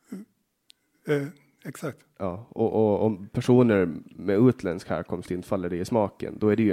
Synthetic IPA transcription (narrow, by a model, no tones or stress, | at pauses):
ɛksak̚t̪jʔɑːɔʔɔɔmpʰæʂuːnəɾmɛʉːt̪ʰlɛnskhæ̰ːɾkʰɔmst̪ɪnt̪falːəd̪ɛjɪsmɑːkə̰nd̪ɔæɖɛj